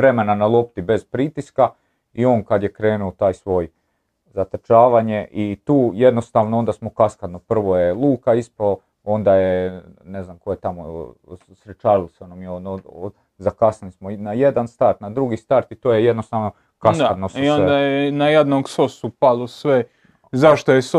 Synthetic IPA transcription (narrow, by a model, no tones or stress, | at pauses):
ʋɾe̞me̞nanalˠo̞p̚t̪ibe̞z̥pɾit̪iska | io̞ːnkad̪jekɾe̞ːnuot̪aːjsʋo̞j | zat̪ət͡ʃaːʋaɲe̞ʔit̪uːje̞d̪no̞st̪aːʋnoond̪asmo̞kaskad̪nopr̩ʋojelˠuːkaispalo | o̞nd̪ajeneznamko̞jet̪amo | sɾet͡ʃaːɾiloseonamjioo | zakasalismonajed̪anst̪aɾt̪nad̪ɾuɡist̪aɾt̪it̪oːjejed̪nost̪aːʋno̞ | kasad̪nosiond̪ajenajed̪noɡsosupalosʋe | zaʃt̪ojes